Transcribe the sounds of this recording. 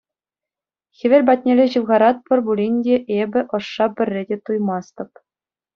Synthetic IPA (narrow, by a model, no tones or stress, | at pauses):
xʲĕʋʲĕlʲbɑt̪ʲnʲelʲeʑɯʋʁɑɾɑt̪̚pʲɘ̆rʲbulʲinʲdʲeʔebʲɘ̆ʔɤ̆ʂːɑpʲɘ̆rʲːedʲet̪ujmɑst̪ɤ̆p